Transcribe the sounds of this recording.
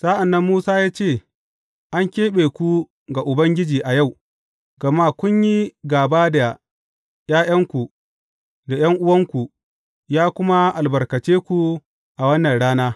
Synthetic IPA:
sa˦ʔa˨nːɐ˦mːuː˦saː˦jaː˦t͡ʃeː˦˨ | ʔa˦ŋkʲeː˦ɓeː˨kʷu˦ | ɡa˨ʔʊ˨bɐ˦ŋɡʲɪ˦d͡ʒiː˨ʔa˨ja˦˨w | ɡɐ˨ma˦˨kʷʊ˦ɲji˦ɡaː˨baː˦da˨ | jaː˦j̰ɐ˦ŋkʷu˨ | da˨j̰ɐ˦ŋʔʊ˦wɐ˦ŋkʷu˨ | jaː˦kʷʊ˦ma˦ʔa˨lbɐ˨rkɐ˨t͡ʃeː˦kʷu˨ | ʔa˨wɐ˦nːɐ˨nɽaː˦naː˦

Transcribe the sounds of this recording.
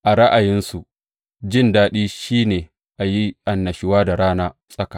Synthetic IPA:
ʔa˨ɽɐ˦ʔa˨jɪ˦nsu˨ | d͡ʒɪ˦ndaː˦ɗiː˦ʃiː˦neː˨ | ʔa˨ji˦ʔa˨nːɐ˨ʃɪ˦waː˦da˨ɽaː˦naː˦sʼɐ˦ka˨

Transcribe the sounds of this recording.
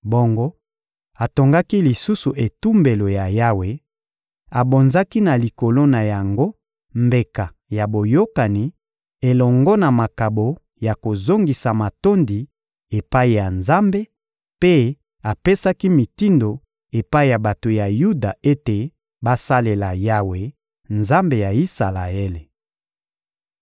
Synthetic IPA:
bo˦ŋɡo˦ | a˨to˨ŋɡa˦ki˦li˨su˦su˨ʔe˨tu˦mbe˨lo˨ja˨ja˦we˨ | a˨bo˨nza˦ki˦na˨li˨ko˨lo˦na˨ja˨ŋɡo˦ | mbe˨ka˨ | ja˨bo˨jo˦ka˨ni˨ | e˨lɔ˨ŋɡɔ˦na˨ma˨ka˨bo˨ | ja˨ko˨zo˦ŋɡi˨sa˨ma˨to˦ndi˨ | e˨pa˦i˨ja˨nza˦mbe˦ | pe˦ | a˨pe˦sa˦ki˦mi˨ti˦ndo˨ | e˨pa˦i˦˨ja˨ba˨to˨ja˨ju˦da˨e˦te˨ | ba˦sa˦le˨la˨ja˦we˨ | nza˦mbe˨ja˨i˦sa˨la˨e˦le˨

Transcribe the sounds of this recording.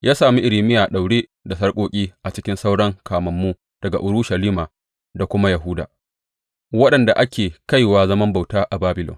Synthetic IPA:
jʔaː˦saː˨mi˦ʔɪ˨ɽɪ˨mɪ˦jaː˨ɗa˨wɽeː˦da˨sɐ˦rkʷʼoː˦kʲʼiː˦ʔa˨t͡ʃɪ˦kʲɪ˦nsa˦wɽɐ˦ŋkaː˨mɐ˨mːu˦ | d̥ɐ˨ɡa̰˨ʔʊ˦ɾʊ˦ʃɐ˨liː˦maː˨ | da˨kʷʊ˦ma˦ja˨ɦʊ˦da̰ː˨ | wɐ˦ɗɐ˨nda˨ʔa˦kʲʰeː˨ka˦jwaː˦zɐ˦mɐ˦mba˨wtaː˦ʔa˨baː˦bɪ˨lɔ̰˨ŋ

